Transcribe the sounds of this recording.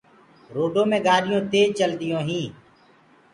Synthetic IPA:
ɾoːɖõːmẽːɡaːɽɪjõːt̪eːt͡ʃəld̪ɪjõːɦĩː

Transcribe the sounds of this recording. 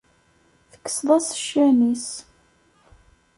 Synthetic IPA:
θə̥kːə̥sðˤɑsə̥ʃːænis

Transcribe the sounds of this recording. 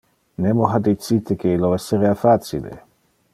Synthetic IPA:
nemoɦad̪it͡sit̪ekʰeilːoɛsːeɾeafaːt͡sḭlḛ

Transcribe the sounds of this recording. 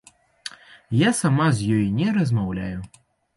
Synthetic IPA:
jasamazʲjɔjnʲɛɾɐzmawlʲa̰ju

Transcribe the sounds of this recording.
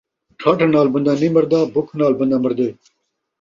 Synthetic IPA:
ʈʰaːʈenaːlbɐnd̪animɐɾd̪aːbukʰnaːlbɐnd̪amɐɾd̪ej

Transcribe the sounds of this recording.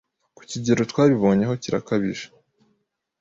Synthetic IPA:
ku̥ciɟeɾo̞twaːβiβo̞ːɲe̞ɦo̞ciɾa̰kaβḭʒe̥

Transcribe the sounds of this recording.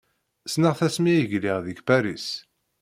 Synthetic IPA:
snəʁθæsmijəʝliʁðəçpæɾis

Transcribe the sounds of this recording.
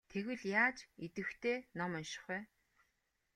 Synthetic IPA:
t̪ʰeɣwɘ̆ɮjaːt͡ɕet̪ɘ̆xt̪ʰeːnɔmɔnʃɪ̥̆χæː

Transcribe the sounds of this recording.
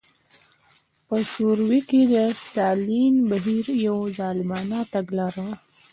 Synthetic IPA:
pəsuɾwiked̪ət̪aːlinbəɦiɾjawzaːlmɑːnat̪aɡlaːɾaw

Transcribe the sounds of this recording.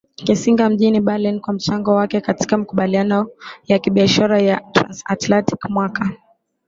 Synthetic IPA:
kisiŋɡam̩ʄiniɓalɛnkwam̩t͡ʃaŋɡɔwakɛkati̥kamakuɓalianɔjakiɓiaʃaɾajatɾa̰nsa̰tlanti̥kmwaka

